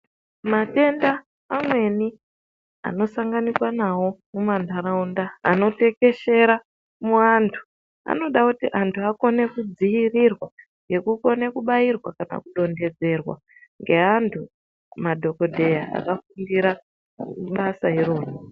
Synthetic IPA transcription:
mate̞ndaː | mwe̞ni | a̰no̞saŋɡanikwanawo̞mumandʱaɾaunda̰ːno̞te̞ke̞ʃe̞ɾa | muantʰu̥ | a̰no̞ɗakutiʔantʰuako̞ne̞kud͡zijirirwa | ŋɡe̞kuko̞ne̞kuɓairwa̰kana̰kuɗo̞nde̞d͡ze̞rwa̰ | ŋɡe̞antʰu | madʱo̞ko̞dʱe̞jaa̰kafundiɾa | ɓasaiɾo̞ːno

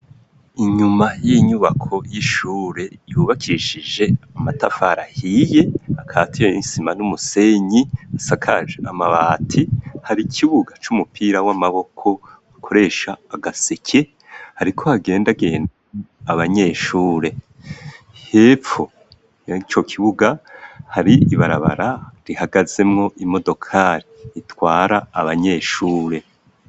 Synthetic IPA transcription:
iɲumajiɲuβakʰo̞jiʃuːɾe̞juːβakʰiʃid͡ʒe̞amatafaɾahiːje̞akʰaːtʰijeisimanumuse̞ɲiasakʰa̰ʒeamaβaːtʰihaɾikʰiβuɡat͡ʃumupʰiːɾawamaβo̞kʰo̞ | akʰo̞ɾe̞ːʃaːɡasekʰe̞ | haɾikʰo̞haɡe̞ːndaɡe̞ːndaaβaɲe̞ːʃuːɾe̞ | heːfu | jat͡ʃo̞kʰiβuɡahaɾiiβaɾa̰βa̰ɾaɾihaɡaze̞mŋo̞ʔimo̞do̞kʰaɾiːtwaːɾaːβaɲe̞ːʃuːɾe̞

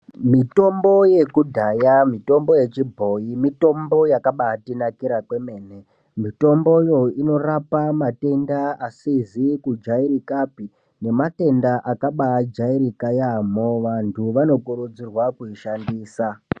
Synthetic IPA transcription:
mito̞mbo̞je̞kudʱajamito̞mbo̞je̞t͡ʃibʱo̞imito̞mbo̞jakaɓatinakiɾakwe̞me̞ːne | mito̞mbo̞jo̞ino̞rapamate̞ndaasizikud͡ʒaiɾikapi | ne̞mate̞ndaʔakaɓad͡ʒaiɾikajamoʋantʰuʋano̞kuɾud͡zirwakuiʃandiːsa

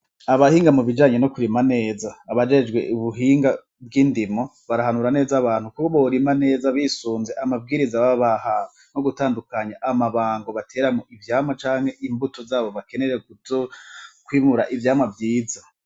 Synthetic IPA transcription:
aβahiːŋɡamuβid͡ʒaːɲe̞no̞kuɾimane̞ːzaːβad͡ʒe̞d͡ʒɡwe̞̰ʔuβuɦiːŋɡa | bɡiːndimo̞ | βaɾahanuɾane̞ːzaβaːn̥hukukoβo̞ɾimane̞ːzaβiːsuːnze̞ʔamab̚ɡiːɾizaβaβaha | noɡutaːndukaɲaʔamaβaːŋɡo̞βatʰe̞ːɾamoʔivjaːmwat͡ʃaːŋ̥he̞ʔimbuto̞zaːβo̞βake̞ne̞ɾekuokwiːmuɾaʔivjaːmwavjiːza

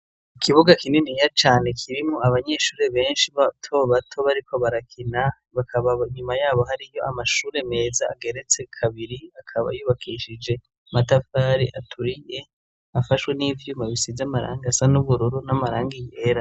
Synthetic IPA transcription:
ikʰiβuɡakininijat͡ʃaːne̞kʰiɾimŋoaβaɲe̞ʃuːɾe̞βe̞ːnʃiβatʰo̞βatʰo̞βaɾikʰo̞βaɾakʰina | βakʰaβaiɲumajaːβo̞ɦaɾijo̞amaʃuːɾe̞me̞ːza̰ːɡe̞ɾe̞t͡se̞kʰaβiɾiakʰaβa̰juːβakʰiʃid͡ʒe̞ | matafaːɾiʔatʰuɾije | afaʃwe̞nivjuːmaβisizamaɾa̰ːŋɡasanuβuɾuɾunamaɾaːŋɡijeɾa

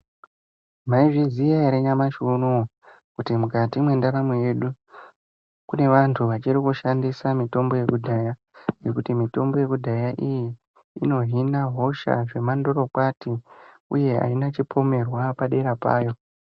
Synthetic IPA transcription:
maiʐizijaaɾeɲamaʃunu | kutimukatimwe̞ndaɾamuje̞ɗu | kune̞ʋantʰuʋat͡ʃirikuʃandisamito̞mbo̞je̞kudʱaja | je̞kutimito̞mbo̞je̞kudʱajaʔijiː | no̞ɦinaɦo̞ʃa̰ʐe̞mando̞ɾo̞kwati | uje̞a̰inat͡ʃipʰo̞me̞rwapaɗe̞ɾapa̰ːjo̞

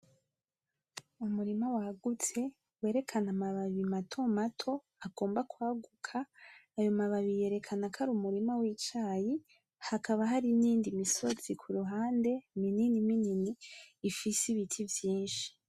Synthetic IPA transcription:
umuɾimawaɡut͡se̞ | we̞ːɾe̞kʰanamaβaβimatʰo̞matʰo̞ | aɡo̞ːmbakwaːɡukʰaːjo̞maβaβije̞ːɾe̞kʰanakʰaɾumuɾimawiːt͡ʃaːji | hakaβaɦaɾiniːndimiso̞z̥ikʰuɾuɦaːnde̞mininimininiːfisiβitʰivjiːnʃi̥

